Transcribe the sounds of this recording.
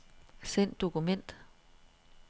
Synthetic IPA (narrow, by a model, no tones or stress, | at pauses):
sen̰d̥o̝kumen̰d̥